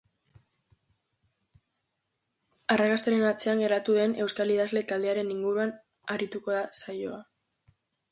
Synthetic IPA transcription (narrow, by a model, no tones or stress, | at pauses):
arakast̪eɾe̞nat͡se̞aŋɡe̞ɾat̪uðe̞ne̞wskaliðazle̞t̪ald̪e̞aɾe̞niŋɡuɾuan | aɾit̪uko̞ðasajo̞a